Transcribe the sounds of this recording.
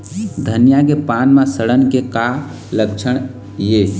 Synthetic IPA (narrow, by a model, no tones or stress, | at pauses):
d̪ʱənjakepanmãsəɽənkeka | lək̚t͡ʃʰəɽ̃ | je